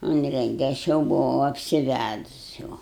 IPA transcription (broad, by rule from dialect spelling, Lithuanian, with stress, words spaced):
ˈʊnʲrʲɛŋʲɡʲɛ ˈɐʃ jɛʊ bʊˈʋɐʊ ɐpʲsʲɪˈʋʲædʊs jɛʊ